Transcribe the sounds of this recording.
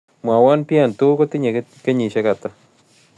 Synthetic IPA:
mwa˨wɔ˦npja˦˨ntʊ˦ko˦ti˦ɲe˨ke˦ɲi˨ʃe˦ka˨ta˦

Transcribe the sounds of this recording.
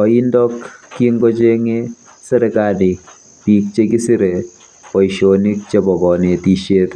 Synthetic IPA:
ɔ˨i˦ndɔkːiŋɡo˦t͡ʃe˦ŋe | sɛ˦ɾɛkadi˨ | ti˦k̚t͡ʃe˦ki˦si˦ɾe˨ | pɔ˨iʃoni˦k̚t͡ʃe˦bɔ˨kɔ˨ne˨ti˨ʃe˦t

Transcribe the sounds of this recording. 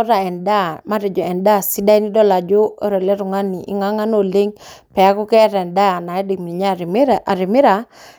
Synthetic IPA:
ɔ˦ɾa˨ɛ˨nda˦ma˦ɾɛ˨d͡ʒɔ˨ɛ˨nda˦˨si˦da˦i˦ni˦dɔ˦la˨d͡ʒo˦ɔ˦ɾe˨le˦ɾu˨ŋa˦ni˨ʔɪ̰˦ŋa˦ŋa˦no˨le˦ŋpɛ˨a˦ku˦kɛ˦ɾɛ˨nda˦˨na˨ɛ˦di˨kmi˨ɲa˦˨˦a̰˨ɾɪ˨mɪ˦ɾa˨

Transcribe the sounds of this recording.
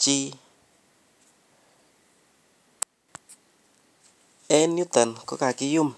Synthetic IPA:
t͡ʃi˦ | ɛ˦njʊ˦t̪ɛ˨nkɔ˦ka˨kɪ˦jʊ˦˨m

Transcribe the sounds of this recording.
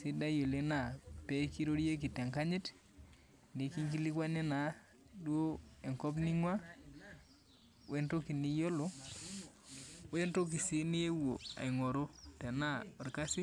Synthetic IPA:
si˦da˦jo˨le˦na˨pe˦ki˦ɾo˦ɾi˦e˦k̬i˨te˨ŋka˦ɲi˦t | ni˨ki˦ŋk̬i˦li˦kwa˦ne˦na˨ | du˦o˦e˨ŋkɔ˦bni˦ŋwa˦ | we˦nto˦ki˨ni˦jo˦lo˦ | we˦nto˦k̬i˨si˦ni˦e˦wo˨a̰˨i˨ŋo˨ɾo˦te˨na˦ɔ˨ɾka˦si˦

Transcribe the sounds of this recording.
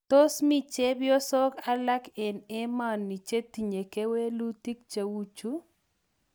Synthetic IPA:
t̪o˦smi˦t͡ʃe˦bjɔ˦sɔ˦ka˦la˦kɛ˨nɛ˦ma˦˨nːi˨t͡ʃe˦t̪i˨ɲe˨ke˦we˦lu˦t̪i˦k̚t͡ʃa˦wu˦t͡ʃu˦

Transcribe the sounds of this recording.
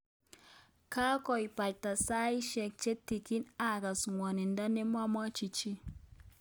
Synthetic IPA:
ka˦kɔ˨jpa˨lta˨sa˦i˦ʃɛ˨k̚t͡ʃe˦ti˨ki˦na˨ka˨sŋwɔ˨ni˨nda˦ne˦mwa˦ma˦t͡ʃi˨t͡ʃi˦

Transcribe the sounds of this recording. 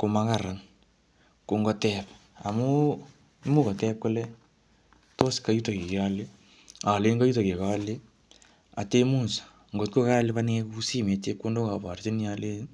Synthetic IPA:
ko˨maka˨ra˨n | ko˨ŋɡɔ˦tɛp | a̰˨mu˦ | imu˦kɔ˨tɛp̚kɔ˦lɛ˦ | to˦ska˨ju˦ta˨ke˨ke˨ale˦ | a˨le˦nka˦ju˦ta˨ke˨kale˦ | a̰˨te˦mu˦nsḁ | ŋɡo˨tko˦ka˦le˦paneku˦si˦me˨t͡ʃe˦kːo˦ndo˦ka˨pa˨rt͡ʃi˦ni˦ale˦n

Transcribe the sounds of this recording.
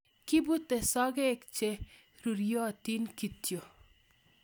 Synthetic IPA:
kɪ˦bu˦t̪ːe˨sɔ˦ɡɛ˦kt͡ʃe˦ | ɾu˨ɾjo˦a˨t̪i˦nki˨t̪jo˨

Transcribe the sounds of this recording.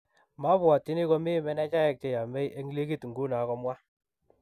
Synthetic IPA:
ma˦βwa˨ti˦ni˦kɔ˦mi˦mɛ˦nɛ˦t͡ʃa˦jɛ˨k̚t͡ʃe˨ja˨mɛ˦je˦ŋ˦li˦ki˦tŋɡu˦na˨˦kɔ˨˦mwa˦

